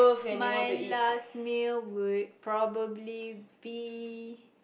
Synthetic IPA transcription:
majlasmilwud̚pɹɔbəblibi

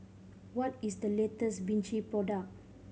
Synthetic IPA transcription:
wɔtisdəletəsbĩnt͡ʃipɹɔdak̚

